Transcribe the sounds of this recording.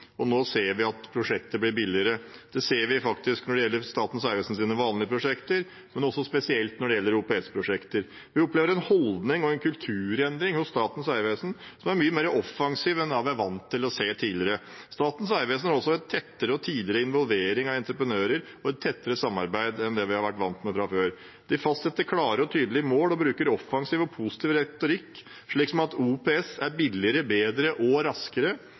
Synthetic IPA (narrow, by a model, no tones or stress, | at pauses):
ɔnoːseːɾʋɪɑt̪pʰɾʊʂɛkt̪əɾblɪɾbɪlɪəɾəd̪̥ɛseːɾʋɪfɑkt̪ɪsknɔɖɛjɛlːəɾst̪ɑːt̪n̩sæɪʋeːsn̩siːnəʋɑːnlɪəpʰɾʊʂɛkt̪əɾ | mɛnɔsːɔspɛsɪɛlt̪nɔɖɛjɛlːəɾʊpeɛspʰɾʊʂɛkt̪əɾ | ʋɪɔpleːʋəɾɛnhɔld̪nɪŋɔɛnkʰʉlt̪ʰʉːɾɛnd̪ɾɪŋhʊst̪ɑːt̪n̩sæɪʋeːsn̩sɔmæɾmyːəmeːɾəʔɔfːɑŋsiːʋɛnɑʋɪæɾʋɑnt̪ʰːɪlɔseːt̪ʰiːlɪɾə | st̪ɑːt̪n̩sæɪʋeːsnæɾɔsɔɛt̪ʰːɛt̪ːəɾəɔt̪ʰiːd̪lɪɾəɪnʋɔlˠʋeːɾɪŋɑʋɛnt̪ɾəpɾənøːɾəɾ | ɔɛt̪ʰːɛt̪ːəɾəsɑmːɑ̰ɾbæɪd̪ɛnd̪ɛʋɪhɑɾʋæʈːʋɑnt̪mɛfɾɑføːɾ | d̪̥ɪfɑst̪sɛt̪ːəkʰlɑːɾəɾɔt̪ʰyːd̪lɪəmoːlɔbɾʉːkəɾɔfːɑŋsiːʋɔpʰusɪ̥t̪ʰiːʋɾɛt̪ʊɾɪkː | ʂɭiːksɔmɑt̪uːpʰeɛsæɾbɪlːɪəɾəbeːd̪ɾəʔɔɾɑskəɾə